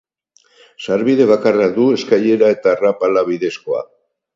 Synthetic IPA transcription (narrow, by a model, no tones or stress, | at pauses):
saɾβiðe̞βakarad̪ue̞skaje̞ɾae̞t̪aːrapalaβ̞iðe̞sko̞a̰